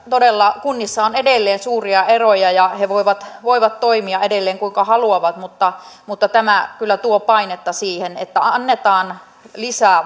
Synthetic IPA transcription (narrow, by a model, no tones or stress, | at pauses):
t̪odelːɑkunːisːɑonedelːeːnsuːriɑerojɑjɑheʋoiʋɑt̪ʋoiʋɑt̪toimiɑʔedelːeːŋkuiŋkɑhɑluɑʋɑt̪mut̪ːɑmut̪ːɑt̪æmækylːˑæt̪uopɑinet̪ːɑsiːhenḛt̪ːæɑnːet̪ɑːn | lisæː